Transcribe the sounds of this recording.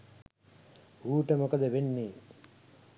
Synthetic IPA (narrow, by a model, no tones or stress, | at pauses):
uːʈəmokəd̪əʋenːiː